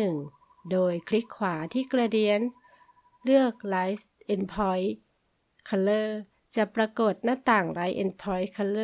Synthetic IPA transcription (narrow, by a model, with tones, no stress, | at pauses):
ɯ˨˩ŋ | doː˧˩jkʰli˦˥kʰːwaː˩˦t̪ʰiː˧˥˩kɾa˧di˧ən | lɯ˥˩ək̚laː˨˧˦js | ʔe˧˩npʰɔ˧˦j | kʰa˧lɤː˧˩ | t͡ɕa˨˧˩pɾa˧koː˨˩t̪̚na˧˥˩t̪aː˨˩ŋlaː˨˦jʔḛ˧˨npʰɔ˧˦jkʰa˧lɤː˧